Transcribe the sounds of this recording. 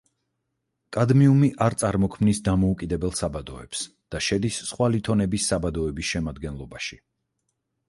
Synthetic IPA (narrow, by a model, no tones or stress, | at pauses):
kʼad̪miumiʔaɾt̪sʼaɾmɔkʰmnisd̪amɔukʼid̪ɛbɛlˠsabad̪ɔɛ̰ps | d̪̥aʃɛd̪isːχwalit̪ʰɔnɛbisːabad̪ɔɛbisʃɛmad̪ɡɛnlˠɔbaʃi